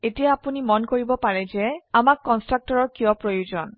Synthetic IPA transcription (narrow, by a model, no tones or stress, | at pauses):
etijaapunimɔnkoɹibɔpaɹɛzɛamakːɔnstɹak̚tɔɹɔɹkijɔpɹojuzɔn